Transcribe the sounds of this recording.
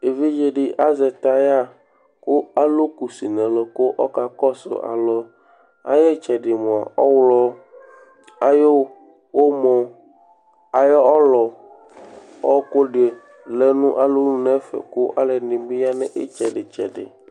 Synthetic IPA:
e˨vi˦d͡ʒe˦ɖi˦ʔa˦zɛ˨t̪a˦ja˦ | ko˦a˦lo˦ku˨si˨nɛ̃˨lɔ˨ko˦ʔɔ˦ka˨kɔ˦so̰˨ʔa̰˨lɔ˦ | a̰˦jɛ˦t͡ʃɛ˨ɖe˨mõ˨a̰˨ɔ˦wlɔ˦ | a˦jo˦ | wo˦mɔ̃˨ | a˨jɔ˦ɔ˦lɔ˨ | ɔ˦ko˦ɖe˨ | le˨nũ˦ʔa˨lo˦nũ˦nɛ̃˦fɛ̰˨ko˦ʔa˦le˨nĩ˨bi˦ja˦nɛ̃˦ʔe˦t͡ʃɛ˨ɖe˨t͡ʃɛ̰˨ɖḛ˨

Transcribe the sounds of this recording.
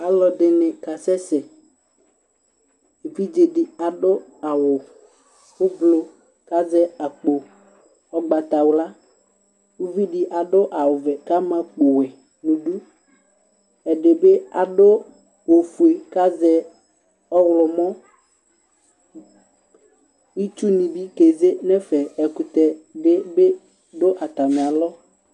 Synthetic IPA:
a˨lɔ˨dɪ˨nɪ̃˨ka˨sɛ˦sɛ˨ | u˨vi˦d͡ʒe˨dɪ˨a˨ɖʊ˦a˨wʊ˨ | xʊ˦vlo˨ | ka˦zɛ˦a˨k͡po˨ | ɔ˦ɡ͡ba˨t̪a˨wla˦ | u˦vi˦dɪ˨ʔa˨ɖʊ˦ʔa˨wʊ˨vɛ˨ka˦mã˨k͡po˨wɛ˨ | nũ˨ɖu˦ | ɛ˨ɖe˨be˦a˨ɖo˦ | wo˨fu˨e˨ka˦zɛ˦ | ɔ˦wlɔ˨mɔ̃˦ | wi˦t͡ʃu˦nĩ˨bi˦ke˨ze˦nɛ˦fɛ˨ɛ˨kʊ˨t̪ɛ˨ɖe˦be˦ | dʊ˦ʔa˨t̪a˨mẽ˨a˨lɔ˦

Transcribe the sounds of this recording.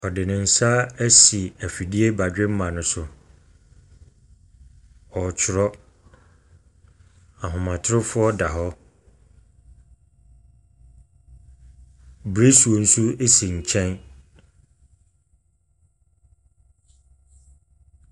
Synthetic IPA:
ɔ˨dɪ˨nɪ̃˨n̩˦sa˦æ˦si˨æ˨fi˨di˦e˦ba˨d͡ʑᶣɪ˦m̩˦mã˨nʊ̃˨sʊ˨ | ɔ˨t͡ɕʰɪ˨ɾɔ˦ | a˨ɦʊ̃˨mã˨tʰɾʊ˦fʊ˦ɔ˦da˨ɦɔ˦ | bɾe˦su˨o˨n̩˦su˦e˦si˨ɲ̩˨t͡ɕʰɛ̃˦n

